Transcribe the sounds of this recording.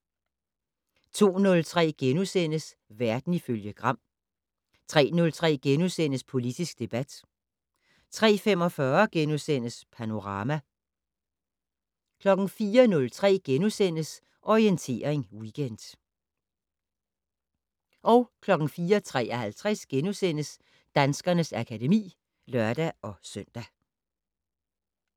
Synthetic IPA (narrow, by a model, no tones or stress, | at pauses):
t͡sʰo̝̰ːnɔ̽lt͡sʰʁɛ̰ːɡ̥enusen̰əs | ʋæɐd̥n̩iføljəɡ̥ʁɑ̈m̰ | t͡sʰʁɛ̰ːnɔ̽lt͡sʰʁɛ̰ːɡ̥enusen̰əspʰo̝lid̥isɡ̥̚d̥e̝b̥æd̥ | t͡sʰʁɛ̰ːfem̰ɒ̽fɶːɐɡ̥enusen̰əspʰæno̝ʁɑ̈ːmæ | kʰlɒ̽ɡ̥n̩fiːɐnɔ̽lt͡sʰʁɛ̰ːɡ̥enusen̰əs | ʔɒʁient͡sʰe̝̰ːɐeŋwiɡ̥en̰d̥ | ʔɒ̽ʊkʰlɒ̽ɡ̥n̩fiːɐt͡sʰʁɛ̰ːɐhælt͡sʰʁasɡ̥enusen̰əs | d̥ænsɡ̥ɐnəsækʰæde̝mḭː | lɶɐd̥æɒ̽søn̰d̥æ